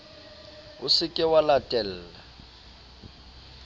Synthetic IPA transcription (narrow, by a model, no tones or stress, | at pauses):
ʊsɪkʼɛwalatʼɛl̩ːla